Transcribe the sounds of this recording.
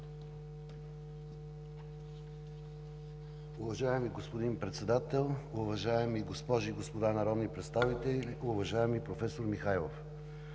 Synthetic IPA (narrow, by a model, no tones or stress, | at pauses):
uvɐʒaɛmiɡospod̪inpɾɛt̪sɛd̪at̪ɛlˠuvɐʒaɛmiɡospɔʒiːɡospod̪anɐɾɔd̪nipɾɛt̪st̪avit̪ɛliuvɐʒaɛmipɾofɛsoɾmixajlˠo̰f